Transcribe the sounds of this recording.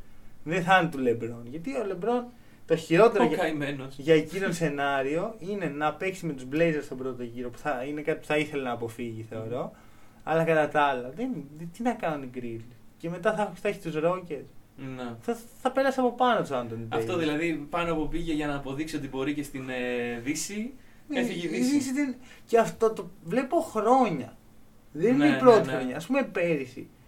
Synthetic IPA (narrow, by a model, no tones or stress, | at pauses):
ðeθɐnit̪ule̞bɾo̞nʝɐt̪iole̞bɾo̞n | t̪o̞çiɾo̞t̪e̞ɾokɐimenosʝɐciɾonse̞nɐɾio̞ʔine̞nɐpe̞ksime̞t̪uzblejzeɾst̪o̞bɾo̞t̪o̞ʝiɾo̞pu̥θɐine̞kɐt̪i̥pu̥θɐiθe̞le̞nɐːpo̞fiʝiθe̞o̞ɾo̞ | ɐlɐkɐt̪ɐt̪ɐlɐðent̪inɐkɐnuniɡɾilce̞me̞t̪ɐθɐst̪ɐçi̥t̪uzɾo̞ce̞sneθɐθɐpe̞ɾɐseɐpo̞pɐnot̪sɐnd̪ont̪ɐeft̪oðilɐðipɐnoɐpopiʝeʝɐnɐːpo̞ðiksio̞t̪ibo̞ɾicest̪inðisi | nisðis̬iðenceɐft̪o̞t̪ovle̞po̞xɾo̞ɲɐ | ðeninneipɾo̞t̪ixɾoɲɐːspumepe̞ɾisḭ